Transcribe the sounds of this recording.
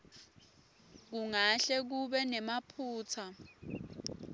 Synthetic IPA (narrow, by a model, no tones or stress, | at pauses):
k̬uŋaɬɛk̬uɓɛnɛmapʰuːt͡sʰa